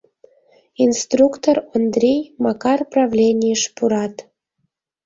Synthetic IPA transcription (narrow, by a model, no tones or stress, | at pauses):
inst̪rukt̪orond̪ɾʲejmɑkɑrprɑvlʲenʲijəʃpuɾɑt̪